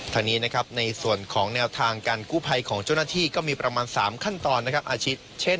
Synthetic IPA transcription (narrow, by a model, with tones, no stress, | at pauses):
t̪ʰaː˧ŋniː˦˥na˦˥kʰa˦˥p̚na˧jsu˨˩ənkʰɔː˩˦ŋnɛː˧wt̪ʰaː˧ŋkaː˧nkuː˥˩pʰa˧jkʰɔː˩˦ŋt͡ɕaː˥˩wnaː˥t̪ʰiː˥˩kɔː˥˩miː˧pɾa˧maː˧nsa̰ː˩˦mkʰa˥˩nt̪ɔː˧nː˦˥kʰa˦˥p̚ʔaː˧t͡ɕʰiː˦˥t̪̚t͡ɕʰe˥˩n